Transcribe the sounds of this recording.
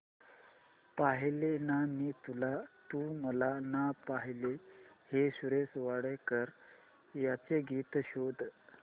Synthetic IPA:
paɦlenamiːt̪ulat̪uməlanapaɦileheɕuɾesʋaɽəkəɾ | jat͡seɡiːt̪ɕod̪

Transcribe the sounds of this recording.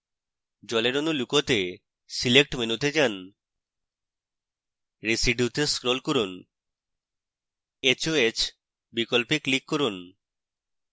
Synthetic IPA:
d͡ʑɔleɾonulukot̪e | silek̚ʈmenut̪ed͡ʑan | ɾesiɖjut̪eskɾolkoɾun | et͡ɕoet͡ɕ | bikolpeklikːoɾun

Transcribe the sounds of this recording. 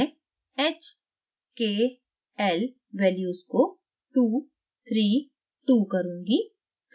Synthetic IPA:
eːt͡ʃ | keː | ɛl | ʋɛːljuːsko | ʈuː | t̪ʰɾiː | ʈuːkɐɾũːŋɡi

